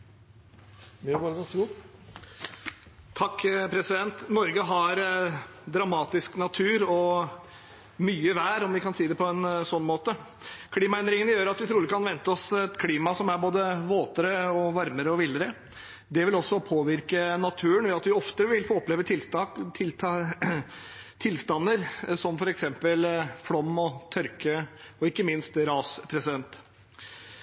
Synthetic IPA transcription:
ʋɑɾɡɑnː | t̪ʰɑkːpʰɾɛsɪd̪ɛnt̪nɔɾɡəɦɑɾd̪ɾɑmɑːt̪ɪsknɑt̪ʰʉːɾɔ | myːəʋæːɾɔmʋɪkʰɑnsiːd̪ɛpʰɔɛnsɔnːmoːt̪ə | kʰliːmɑɛnd̪ɾɪŋənəjøːɾɑt̪ʋɪt̪ʰɾuːlɪkkʰɑnʋɛnt̪əɔsɛt̪kʰliːmɑsɔmæɾboːd̪əʋoːt̪əɾəɔʋɑɾməɾəɔʋɪləɾə | d̪ɛʋɪlɔsːɔpʰoːʋɪɾkənɑt̪ʰʉːənʋɛɑt̪ʋɪɔft̪əʋɪlfoːɔpleːʋət̪ʰɪlst̪ɑt̪ʰɪlt̪ʰɑ | t̪ʰɪlst̪ɑnːəɾsɔmfɔɾɛksɛmpəlfɽɔmːɔt̪ʰœɾkəɔɪkːəmɪnst̪ɾɑːspʰɾɛsɪd̪ɛnt̪

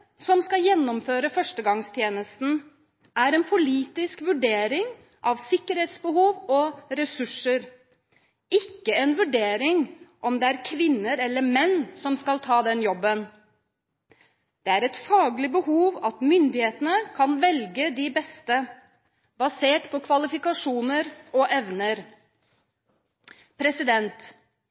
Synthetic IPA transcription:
sɔmskɑjɛnːɔmføːɾəfœʂʈəɡɑŋst̪ʰjeːnəst̪n̩ | æɾɛnpʰʊliːt̪ɪskʋʉɖeːɾɪŋ | ʔɑʋsɪkːəɾheːt̪sbəhuːʋɔɾɛsʉʂəɾ | ɪkːəɛnʋʉɖeːɾɪŋʔɔmd̪ɛæɾkʰʋɪnːəɾɛlːəɾmɛnːsɔmskɑlt̪ʰɑːd̪ɛnjɔbːən | d̪̥ɛæɾɛt̪fɑːɡlɪbəhuːʋɑt̪mʏnd̪ɪheːt̪ənəkʰɑnʋɛlɡəd̪ɪbɛst̪ə | bɑseːʈpʰɔkʰʋɑlɪfɪkɑʂuːnəɾɔʔɛʋnəɾ | pʰɾɛsɪd̪ɛnt̪

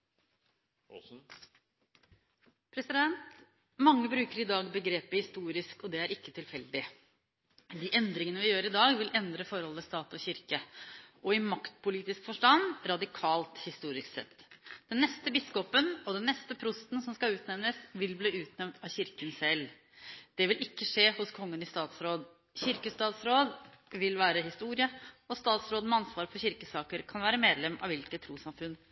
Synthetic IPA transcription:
pʰɾɛsɪd̪ɛnt̪ | mɑŋːəbɾʉːkəɾɪd̪ɑːɡbəɡɾeːpəhɪst̪uːɾɪskɔd̪ɛæɾɪkːət̪ʰɪlfɛld̪ɪ | d̪iːʔɛnd̪ɾɪŋənəʋɪjøːɾɪd̪ɑːɡʋɪlʔɛnd̪ɾəfɔɾhɔləst̪ɑːt̪ɔçɪɾkəɔɪmɑkt̪pʊliːt̪ɪskfɔʂʈɑnɾɑd̪ɪkʰɑːlt̪hɪst̪uːɾɪsk̪sɛ̰t̪ːd̪̥ɛnːɛst̪əbɪskɔpənɔd̪ɛnːɛst̪əpʰɾʊst̪nsɔmskɑʉːt̪nɛʋnəsʋɪlbliːʉːt̪nɛmnt̪ɑçɪɾkənsɛl | d̪̥ɛʋɪlɪkːəʂeːhʊskʰɔŋːənɪst̪ɑːt̪sɾoːd̪ | çɪɾkəst̪ɑːt̪sɾoːd̪ | ʋɪlʋæːɾəɦɪst̪uːɾɪəɔst̪ɑːt̪sɾoːd̪ənmɛɑnsʋɑːɾpʰɔɕɪɾkəsɑːkəɾkʰɑnʋæːɾəmeːd̪lɛmʔɑ̰ʋɪlkət̪ʰːɾuːsɑmfʉnː

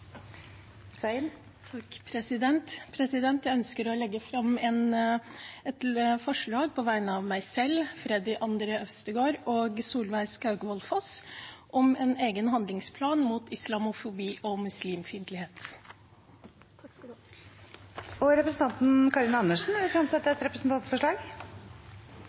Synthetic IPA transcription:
sn | t̪ʰɑkpʰɾɛsɪd̪ɛnt̪pʰɾɛsɪd̪ɛnt̪jæɪœnskəɾɔlɛɡːəfɾɑmːɛn | ɛt̪fɔʂɭɑːɡ̚pʰɔʋæɪnəɑʋmæɪsɛlfɾɛd̪ɪʔɑnd̪ɾəœst̪əɡoːɾoːɡsuːlʋæɪskɑʉɡəʋɔlfɔsʔɔmɛneːɡənɦɑnd̪lɪŋspʰlɑːnmuːt̪ʰɪslɑmʊfʊbiːʔɔmʉsliːmfɪnt̪əlɪheːt̪ | ɔɾɛpɾəsn̩t̪ɑnt̪n̩kʰɑɾɪnɑnːəʂn̩fɾɑmsɛt̪ːəɾɛt̪ɾɛpɾəsn̩t̪ʰɑnt̪sfɔʂɭɑːɡ

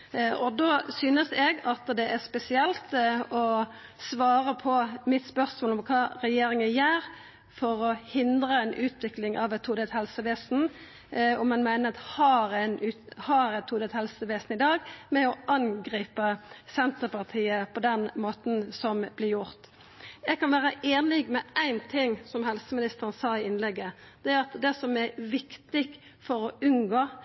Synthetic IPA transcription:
ʔɔd̪oːsyːnəsɛɡɑt̪d̪ɛʔæʁspɛsɪɛlt̪ɔ | sʋɑːɾəpʰɔmɪt̪spœʁsmoːlɔmkʰɑːɾɛjeːɾɪŋəjæːɾ | fɔɾɔhɪnd̪ʁəɛɪnʔʉːt̪ʋɪklɪŋʔɑ̰ʋɛt̪ʰːuːd̪ɛt̪hɛlsəʋeːsn̩ | ɔmɑnmæɪnəɾt̪hɑɾɛnʉːhɑɾɛt̪ʰːuːd̪ɛt̪hɛlsəʋeːsn̩ɪd̪ɑːɡmɛɔʔɑnɡʁiːpəsɛnt̪əpɑʁt̪ʰiːəpʰɔd̪ɛnmoːt̪n̩sɔmblɪɾjʊʁt̪ | jɛɡ̚kɑnʋæːɾəʔeːnɪɡmɛʔæɪnt̪ʰɪŋːsɔmhɛlsəmɪnɪst̪əʁən̩sɑːɪɪnlɛɡːə | d̪̥ɛæɾɑt̪d̪ɛsɔmɛʋɪkt̪ɪɡ | fɔɾɔʉnɡoː

